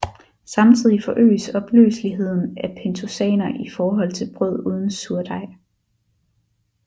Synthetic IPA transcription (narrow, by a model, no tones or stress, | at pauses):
sɑ̈mt͡sʰið̞̰ˠifɒ̽ʔø̰ːɪsɒ̽b̥lø̰ːsliɦe̝ð̞̰ˠn̩æpʰent͡sʰo̝sɛ̰ːnɐʔifɒːɦɒ̽l̰t͡sʰe̝lb̥ʁœð̞̰ˠuːð̞ˠn̩suɐd̥ɑ̈ɪ̰